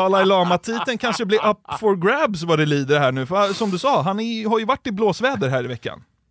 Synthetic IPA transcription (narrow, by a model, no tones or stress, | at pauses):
ɑːlaɪlɑːmat̪ʰiːt̪ənkʰanʂəblɪɾʔapːfɔɾɡɾæbsvad̪ɛliːd̪əɾɦæːɳʉ̟ːfasɔmd̪ɵsɑːɦanɛɦaɾjɵvaʈːɪbloːsvɛːd̪əɾɦæːɾɪvɛkːa̰n